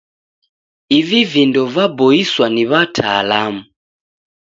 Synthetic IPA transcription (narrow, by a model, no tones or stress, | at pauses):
ivivindɔvabɔiswaniβatʰa̰ːlamu